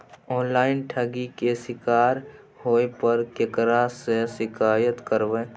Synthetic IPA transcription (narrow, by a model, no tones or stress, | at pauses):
ɔːnlaːɪnʈʰəɡikesɪkaːɾ | hoːepəɾkekɾasesɪkaːjət̪kəɾʋe